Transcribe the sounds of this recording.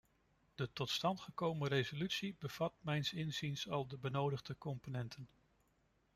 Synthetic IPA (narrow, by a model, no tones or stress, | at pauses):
d̥ətɔtstɑntχəkowmərejzolytsibəv̥ɑt̚mɛjnsɪnzinsɑlˠdəbənowdəχdəkɔmponɛntʰən